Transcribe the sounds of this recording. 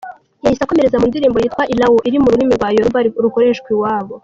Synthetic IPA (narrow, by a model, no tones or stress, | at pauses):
jahisako̞me̞ɾezamundiɾiːmbojiːtkwaʔilawuʔiɾimuɾulimiɾɡwaːjoɾuvaɾuko̞ɾe̞ːʃkwiwaːβo